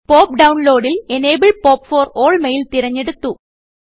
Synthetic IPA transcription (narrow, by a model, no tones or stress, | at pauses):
po̞ːp̚ɖɐwnlo̞ːɽilene̞ːbɐɭpo̞ːpfo̞ːroːɭmejilt̪iɾɐɲːeɽut̪ːu